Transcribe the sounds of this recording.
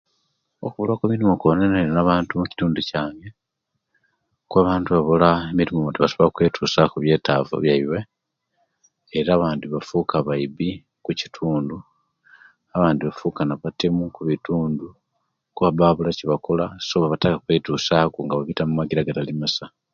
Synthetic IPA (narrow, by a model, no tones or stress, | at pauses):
o̰kuβulwakumiɾimokoneneɾnaβaːntumuci̥tuːnducaːŋɡe̞ | kwaβaːntuβaβolaemiɾimomotiβasoβakwe̞ːtʰuːsakuβje̞ːtaːvo̰βjaiwe | ɾaːβaːndiβafukaβaiβi | kuci̥tʰuːndu | aβaːndiβafuːkanaβatemukuβituːndu | kuβaβaːβulaciβakolasoβaβatakakwe̞ːtuːsakuŋɡaβaβitamumaɡiɾaɡatalimasa